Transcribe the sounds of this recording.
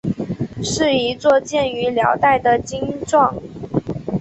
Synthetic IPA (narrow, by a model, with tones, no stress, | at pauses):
ʂɻ̩˥˩i˧˥t͡swɔ˥˧t͡ɕjɛ˥˩ny˧˥ljɑ̰˧˥ʊt̪a˥˩ɪd̪ə˩t͡ɕi˥ŋʈ͡ʂwɑ˥˩ŋ